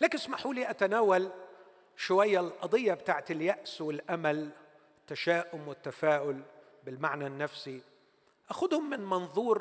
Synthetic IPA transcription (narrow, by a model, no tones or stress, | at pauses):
laːkɪnsmaħuːliːʔat̪anaːwal | ʃʊwajːalʔɑd̪ˤɪjːabɪt̪aːʕt̪ɪlːjaʔswɪlʔamal | ɪt̪ːaʃaːʔʊmwɪt̪ːafaːʔʊl | bɪlmaʕnanːafsi | ʔaxʊd̪hʊmːɪnmɑnðˤuːɾ